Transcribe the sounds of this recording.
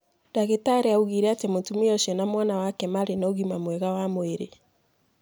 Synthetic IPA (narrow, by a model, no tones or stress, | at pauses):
d̥aɣetaɾeauɣiɾɛatemoːntumejɔʃɛnamwanawakɛmaɾenooɣimamwɛɣawamoeɾe